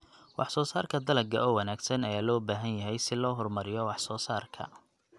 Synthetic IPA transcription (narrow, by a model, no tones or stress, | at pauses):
wɑħsɔːsaːrkʰɐd̪ɐlɐɡɐʔɔːwɑnaːɡsɐnɐjaːlɔːbaːɦɐnjɐɦɛjsɪlɔːɦɔrmɐɾɪjɔwɑħsɔːsaːrkʰɐ̰